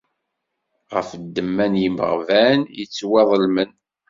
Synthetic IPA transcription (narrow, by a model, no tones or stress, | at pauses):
ʁə̰fd̪ːəmːænjimə̰ʁvænjət͡sːwɛðˤəlmən